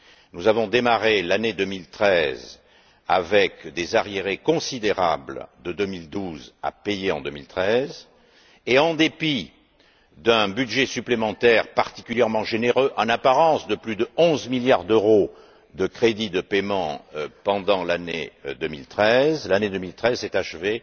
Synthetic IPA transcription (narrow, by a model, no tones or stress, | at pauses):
nuzavɔ̃d̪emaʁelaned̪əmilt̪χɛz | a̰vɛkd̪ezaʁjeʁekɔ̃sid̪eʁa̰bld̪əd̪əmild̪uza̰pejeɑ̃d̪əmilt̪χɛz | eɑ̃d̪epi | d̪ɛ̃byd̪ʒesyplemɑ̃t̪ɛʁpaʁt̪i̥kʲyljɛʁmɑ̃ʒeneʁøʔɑ̃napaʁɑ̃sd̪əplyd̪əɔ̃zmiljaʁd̪øʁo | d̪əkχed̪id̪əpemɑ̃pɑ̃d̪ɑ̃lanḛd̪əmilt̪χɛzlaned̪əmilt̪χɛzsɛt̪aʃve